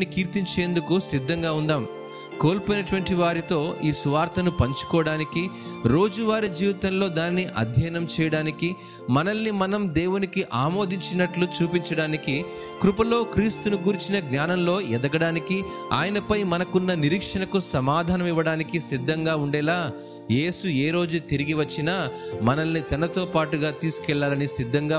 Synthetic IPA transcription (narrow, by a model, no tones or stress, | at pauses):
ikiːɾt̪iɲt͡ʃe̞ːnd̪ukusid̪ʱːɐŋɡaːund̪aːm | ko̞ːlpojnɐʈʋɐɳʈiʋaːɾit̪o̞ːiːsuʋaːɾt̪ʰɐnupɐɲt͡ʃu̥kɔːɐɽaːniki | ɾo̞ːd͡ʒuʋaːɾid͡ʒiːʋit̪ɐnlo̞ːd̪aːnːiʔɐ̰d̪ʱjɐjnɐmt͡ʃɛːjɐɽaːniki | mɐnɐlːimɐnɐmd̪eːwunikiʔaːmo̞ːd̪ʱiɲt͡ʃinɐʈlut͡ʃuːpiɲt͡ʃɐɽaːniki | kɾupɐlo̞ːkɾiːst̪unuɡuɾit͡ʃinɐɡnaːnɐmlo̞ːɛd̪ɐɡɐɽaːniki | a̰ːjɐnɐpɐjmɐnɐkunːɐniɾiːkʂɐnɐkusɐmaːd̪ʱaːnɐmiʋɐɽaːnikisid̪ʱːɐŋɡaːuɳɖɛːlaː | je̞ːsueːɾo̞ːd͡ʒut̪iɾiɡiʋɐt͡ʃːinamɐnɐlːit̪ɐnɐt̪o̞ːpaːʈuɡaːt̪iːsu̥kɛɭːaːlɐnisid̪ʱːɐŋɡaː